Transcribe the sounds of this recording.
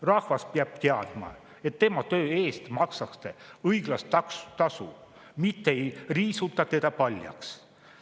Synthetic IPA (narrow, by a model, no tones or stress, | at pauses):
rɑhvɑspeɑb̥̚t̪eɑd̪̥mɑ̰ | e̞t̪ːe̞mɑt̪ø̞ːe̞ːst̪mɑksɑkst̪eɤjɡ̥lɑsɑkst̪ɑsṵ | mit̪ːeejriːsut̪ːˑɑt̪e̞d̪̥ɑpɑlʲjɑ̰ks